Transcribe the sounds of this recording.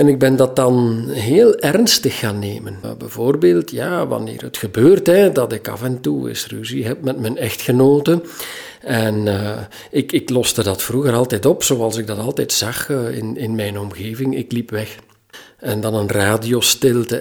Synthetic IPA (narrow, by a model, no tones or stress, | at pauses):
ɛnɪɡ̚bɛndɑt̚dɑnɦeːlˠɛrnstəxːaːnːḛːmənbɛ̰jvoːrbeːlˠtʰjaːʋɑ̰nḛːrɦətxəbøːrtɦɛdɑtɪkɑ̰fɛntuɪ̰sryziɦɛp̚mɛtmɛnɛxtxənoːtə | ɛn | ɪkɪklɔstədɑtfruɣəɾɑlˠtɛjtɔpsoːɑlˠsɪɡ̚dɑtɑlˠtɛjtsɑxɪ̰nɪnmɛjnɔmɣeːvɪŋɪ̰klipʋɛx | ɛndɑnənraːdiostɪlˠtə